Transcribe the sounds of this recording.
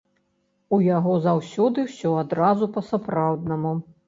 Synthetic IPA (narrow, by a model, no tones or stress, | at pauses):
ujaɣɔzawsʲɔd̪ɨwsʲɔad̪ɾazupɐsapɾawd̪nɐmu